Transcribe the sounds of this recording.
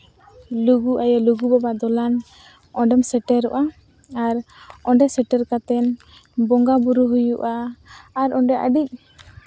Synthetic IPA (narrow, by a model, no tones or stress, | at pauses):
luɡuʔajaluɡubabad̪ɔlan | ɔɳɖɛmsɛʈɛɾɔʔa | aɾɔɳɖɛsɛʈɛɾkat̪ɛn | bɔŋɡabuɾuɦujuʔaː | ɾɔɳɖɛʔa̰ɖic̚